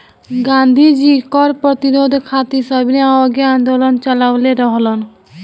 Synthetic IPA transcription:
ɡand̪ʱid͡ʒikɔɾpɾɔt̪iɾod̪ʱkʰat̪isɔbʱineaɔɡeãnd̪olɔnt͡ʃɔlawleɾɔɦlɔn

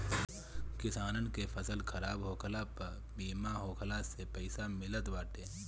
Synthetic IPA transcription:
kɪsaːnənkepʰɐsəlkʰɐɾaːbɦoːkʰlapɐɾ | biːmaɦoːkʰlasepɛɪsamɪlət̪ʋaːʈẽː

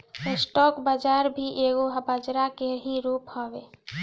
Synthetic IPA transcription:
ɪsʈɔːkbəd͡ʒaːɾbʱiʔeːɡoɦbəd͡ʒɾakeɦĩɾuːphɔːʋeː

